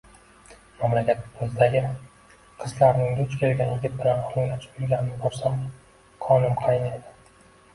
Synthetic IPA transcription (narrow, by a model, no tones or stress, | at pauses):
mamlakʲat̪pʰʊzɪd̪aɡʲɪ | qʰɨzlaɾnɪŋd̪ʊt͡ʃkʲʰe̞lɡʲanjɪɡʲɪt̪̚bɪlanɒlʊjlat͡ʃʰɪ̥pʊɾɡʲanɪnɪbɒɾsam | qʰɒnɪmqʰɑjɪnejd̪ɪ̥